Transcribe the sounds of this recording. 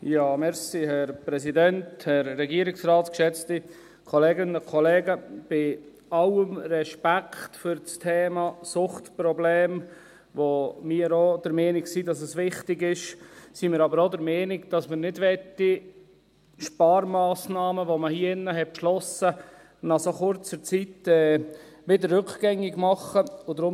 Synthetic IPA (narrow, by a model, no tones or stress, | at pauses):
jɑːmɛɾsihɛɾpɾɛsidɛnthɛɾːɛɡiəɾɪksɾɑːtkʃɛt͡sti | kʰɔleːɡɪnəkʰɔlɛːɡəb̥ɪ | ɑwəmɾɛʃpækʰχtfʏɾt͡stʰeːmɑsʊχtpɾɔbleːm | ʋomiəɾod̥̪əɾmɛːnɪɡsidɑs̬əsʋɪχtɪɡɪʃsimɪːɾɑbəɾodəɾmɛːnɪɡd̥ɑsmɪɾnɪdʋɛt̪ːi | ʃpɑːɾmɑːsnɑːməʋoməhiɪnːəɦɛt̚pʃlɔsə | nɑχsoχʊɾt͡səɾt͡sit̪ɛːʋɪdəɾrːʏkɡ̥ɛŋːɪɡmɑχəʊd̪ɾʊm